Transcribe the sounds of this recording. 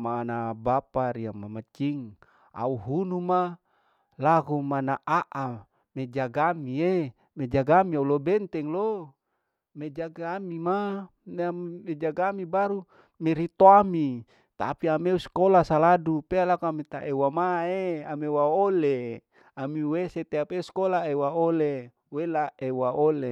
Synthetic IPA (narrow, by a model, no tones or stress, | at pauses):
manabapaɾiamamat͡ʃiŋ | a̰uɦunuma | laɡumanaʔaʔa | med͡ʒaɡamie | med͡ʒaɡamiaulobɛnt̪ɛŋlo | med͡ʒaɡamima | maimed͡ʒaɡamibaɾu | meɾit̪oami | t̪a̰piameuskolasaladupealakuamit̪a̰ʔewamaeamewaole | amiweset̪eapeuskolaewaole | welaewaole